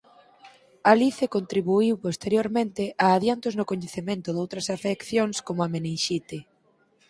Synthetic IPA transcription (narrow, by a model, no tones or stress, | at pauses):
aliθekont̪ɾiβuiwpost̪eɾjoɾmẽnt̪ɪʔaːðjant̪oznʊkoɲeθemẽnt̪ʊðowt̪ɾɐsafekθjoŋskomoamenenʃit̪e